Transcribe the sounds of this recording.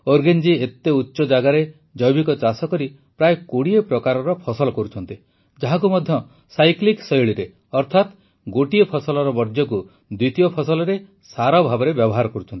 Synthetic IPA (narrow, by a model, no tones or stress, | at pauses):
oɾɡend͡ʒiet̪ːeutːʃɔd͡ʒaɡaɾe | d͡ʒɔjbikɔt͡ʃasɔkɔɾi | pɾajekoɽiepɾɔkaɾɔɾɔpʰɔsɔlɔkɔɾut͡ʃʰɔnt̪i | d͡ʒaɦaŋkumɔd̪ʱjɔ | sajkliksɔjɭiɾe | ɔɾt̪ʰat̪ | ɡoʈiepʰɔsɔlɔɾɔbɔɾd͡ʒjɔku | d̪it̪ijɔpʰɔsɔlɔɾe | saɾɔbʱabɔɾebjɔbɔɦaɾɔkɔɾut͡ʃʰɔnt̪i̥